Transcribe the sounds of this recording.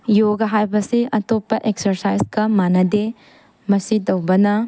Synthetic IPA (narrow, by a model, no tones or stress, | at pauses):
joɡɐɦajbɐsiʔɐtopːɐʔeksɐɾsajsɡɐmanɐde | mɐsidɐwbɐnɐ